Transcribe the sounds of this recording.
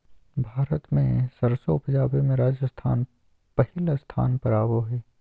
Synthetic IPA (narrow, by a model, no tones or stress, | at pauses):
bʱaːɾət̪mḛ̃sɐɾsopəd͡ʒaːbimẽɾaːd͡ʒəst̪ʰa̰ːn | pɐhɪlast̪ʰa̰ːnpɐɾaːboɦɛː